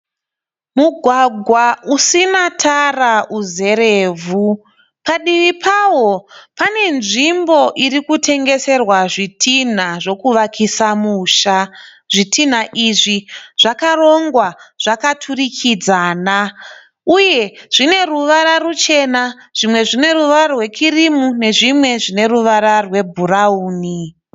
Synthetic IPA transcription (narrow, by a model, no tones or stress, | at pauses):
muɡʱwaɡʱwausinatʰaraʔuze̞ɾeːvʱu | paɗiʋipʰawo̞pane̞nʐimbo̞ʔiɾikutʰe̞ŋɡe̞se̞rwaʐitʰin̤aʐo̞kuʋakʰisamuːʃa | ʐitʰin̤aʔiʐiʐ̥akaro̞ŋɡwaʐ̥akatʰurikʰid͡zaːna | uje̞ʐ̥ine̞ruʋaɾarut͡ʃe̞naʐ̥imwe̞ʐine̞ruʋarwe̞kirimune̞ʐimwe̞ʐine̞ruʋaɾarwe̞bʱurauːni